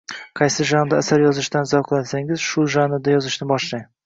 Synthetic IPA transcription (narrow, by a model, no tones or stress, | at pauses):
qʰɑjsɪʒand̪aːsaɾjɒzɪʃd̪anzawqʰɨlˠasaŋɪz̥ʃʊʒanɪd̪ajɒzɪʃnɪbɒʃlaŋ